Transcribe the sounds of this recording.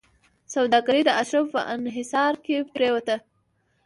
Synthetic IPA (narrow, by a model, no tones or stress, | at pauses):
sawd̪ɑɡaɾid̪əʔaʃɾafpə̰ʔɪnɦɪsɑɾkeppɾewət̪ə